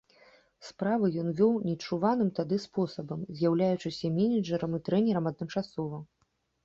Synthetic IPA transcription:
spɾavɨjɔnvʲɔwnʲit͡ʂuvanɨmt̪ad̪ɨspɔsɐbɐmzʲjawlʲajut͡ʂɨsʲɐmʲɛnʲid͡ʐɛɾɐmit̪ɾɛnʲɛɾɐmɐd̪̚nɨmt͡ʂasɔvɐ

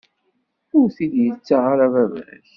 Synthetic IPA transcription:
ʊɾθid̪jət͡sːaʁaɾavævæθ

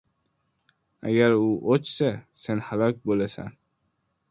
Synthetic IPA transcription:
a̰ɡʲaɾʊʔot͡ʃsasenhalɒk̚ʲbolasa̰n

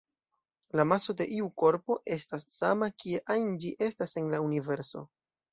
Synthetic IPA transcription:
lamaso̞de̞ʔiuko̞ɾpo̞ʔe̞stasːamakie̞ʔajnd͡ʒiʔe̞stase̞nlaunive̞ɾso̞̰

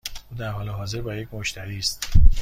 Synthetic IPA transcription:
uːd̪æɾɦɒːleɦɒːze̞ɾbɒːjecʰʲmoʃt̪ʰæɾiːst̪

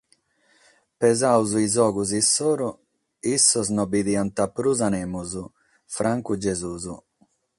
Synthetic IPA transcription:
pɛzawzuizɔːɡuzisːoːɾu | isːɔznɔbiðiːant̪apːɾuzanɛːmuzu | fɾʔaŋkud͡ʒɛzuːzu

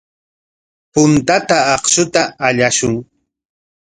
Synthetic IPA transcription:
pʊnt̪at̪aɑχʃʊt̪aːʎaʃʊŋ

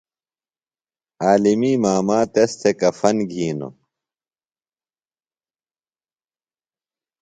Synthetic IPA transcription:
aːlimiːmaːmaːt̪est̪ʰekɐfɐnɡʱiːno̰

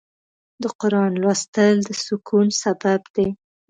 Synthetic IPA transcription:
d̪əqʊɾɑnlwɑst̪əld̪əsʊkʰulsababd̪e

